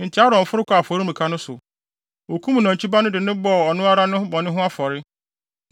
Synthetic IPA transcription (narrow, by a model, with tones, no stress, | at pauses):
n̩˨tʰɪ˦a˦ɾɔ̃˨ɱ̩˨fʊ˦ɾɪ˦kʰʷa˨fɔ˨ɾi˦mĩ˨kʰa˦nʊ̃˦sʊ̰˨ | o˨kʰũ˦m˨nã˨t͡ɕʰi˦ba˦nʊ̃˦dɪ˨nʊ̃˦bɔ˨ɔ˨nʊ̃˦a˦ɾa˦nʊ̃˦ʊ˦bɔ˨nɪ̃˦ɦʊ̃˦a˦fɔ˨ɾɪ˦